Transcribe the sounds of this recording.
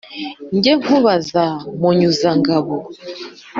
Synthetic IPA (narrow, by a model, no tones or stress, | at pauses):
ŋɡɛŋuβazamɔɲuzaŋɡaβɔ